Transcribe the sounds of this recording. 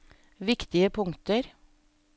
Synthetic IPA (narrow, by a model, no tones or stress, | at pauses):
ʋɪkt̪ɪəpʰʊŋt̪əɾ